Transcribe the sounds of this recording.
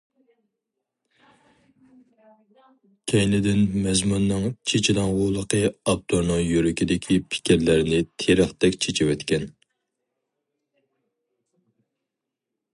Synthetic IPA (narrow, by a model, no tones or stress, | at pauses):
kʲʰɛjnɪd̪ɪnmɛzmunːɨŋt͡ʃʰet͡ʃʰilɑŋʁʊːlˠəqʰəɑp̚t̪ʰoɾnɨŋjyɾykʲʰid̪ɪkʲʰipʰɪ̥kʲiɾlɪɾnɪt̪ʰeɾəχt̪ɛkʲt͡ʃʰet͡ʃʰiwɛt̪kʲɛn